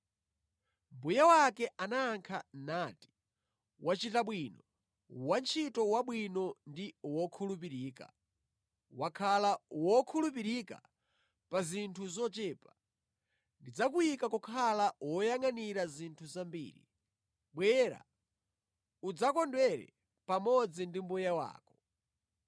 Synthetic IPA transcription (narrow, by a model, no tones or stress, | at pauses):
mbujawakɛʔanaːŋkʰannaːti̥ | wat͡ʃitaɓwinɔ | want͡ʃʰitɔwaɓwinɔndiwɔkʰulup̬iɾiːka̰ | wakʰalawɔkʰulup̬iɾika̰ | pazintʰuzɔt͡ʃɛːpa | ndid͡zakuikakɔkʰalawɔjaŋaniɾazintʰuzambḭːɾḭ | ɓwɛɾa̰ | ud͡zakɔndwɛɾɛ̰ | pamɔd͡zindimbujawa̰ːkɔ̥